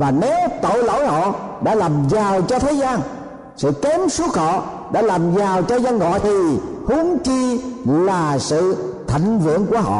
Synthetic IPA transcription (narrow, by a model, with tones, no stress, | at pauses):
vaː˨˩ne˨˦wt̪o̰˧˨jlo̰˧˨jhɔ̰˧˨ɗa̰ː˧˥laː˨˩mzaː˨˩wt͡ɕɔ˧t̪ʰe˨˦zaː˧n | sɨ̰˧˨kɛ˨˦msu˦˥ək̚hɔ̰˧˨ | ɗa̰ː˧˥laː˨˩mzaː˨˩wt͡ɕɔ˧zaː˧nŋɔ̰˧˨jt̪ʰi˨˩hu˨˦əŋt͡ɕi˧laː˨˩sɨ̰˧˨t̪ʰa̰˧˨ŋ̟vɨ̰˧˨əŋku˧˩əɦɔ̰˧˨